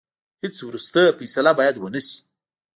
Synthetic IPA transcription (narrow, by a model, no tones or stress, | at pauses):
hɪt͡swɾust̪əfijsalabɑjad̪wənəʃi̥